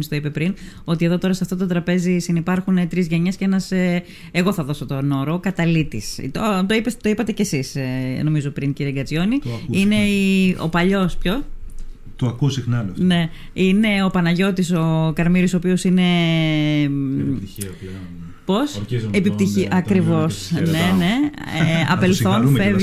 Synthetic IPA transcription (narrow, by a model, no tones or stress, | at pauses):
mist̪oipe̞pɾin | o̞t̪ieðo̞t̪o̞ɾɐseɐft̪ot̪ot̪ɾɐpe̞zisinipɐɾxunet̪ɾizʝeɲesce̞nɐse | eɣo̞θɐðo̞so̞t̪o̞no̞ɾokɐt̪ɐlit̪ist̪ot̪o̞ipest̪o̞ipɐt̪e̞cesisno̞mizo̞pɾinciɾieɡɐt͡sjo̞niine̞io̞̰pɐʎo̞spço | t̪oɐkuosixnɐlone̞ | ine̞o̞pɐnɐʝo̞t̪iso̞kɐɾmiɾisoopio̞sine̞ | po̞sepipt̪içiʔɐkɾivo̞snene̞eɐ̰pelθso̞nfev